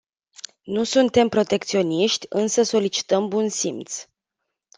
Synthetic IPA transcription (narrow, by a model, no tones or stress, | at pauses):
nusunt̪e̞mpɾo̞t̪e̞kt̪sio̞niʃt̪ʲɨnsəso̞lit͡ʃi̥t̪əmbunsimt̪s